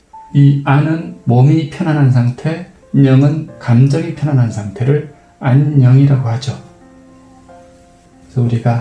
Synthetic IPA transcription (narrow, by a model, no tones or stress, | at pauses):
ianɯnmomipʰjʌnanɦans̬ʰaŋtʰe | ɲʌŋɯnkamd͡ʑʌŋipʰjʌnanɦansʰaŋtʰe̞ɾɯɭ | aɲːʌŋiɾaɡohad͡ʑo | sʰʌuɾiɡa